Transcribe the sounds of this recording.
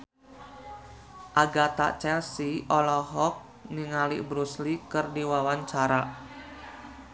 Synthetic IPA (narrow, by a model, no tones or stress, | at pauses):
ʔaɡat̪a̰ʔt͡ʃɛlsiʔɔlɔɦɔk̚ | niŋalḭʔbɾuslikɨrdiwawaɲt͡ʃaɾa